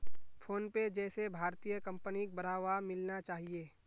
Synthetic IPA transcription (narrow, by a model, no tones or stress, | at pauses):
pʰoːnped͡ʒɛːsebʱaːɾt̪ijəkɐ̃mpənik̚bɐɾ̤aːʋamɪlnat͡ʃaːɦieː